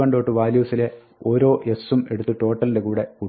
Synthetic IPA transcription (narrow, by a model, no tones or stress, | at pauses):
ɐɳɖo̞ːʈːɨʋaːljuːsile̞ | o̞ːɾo̞ːʔe̞sume̞ɽut̪ːɨʈo̞ːʈːɐlindekuːɽe̞ku